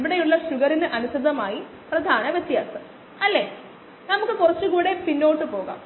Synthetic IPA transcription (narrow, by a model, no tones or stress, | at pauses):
ʋiɽejuɭːɐɕuɣɐɾinɨʔɐnusɐd̪ɐmaːji | prɐd̪ʱaːnɐʋɐt͡ɕːijaːsɐ | ɐlːeː | nɐmukːɨkurɐt͡ɕːuɣuːɽe̞pinːo̞ːʈːɨpo̞ːɣa̰ːm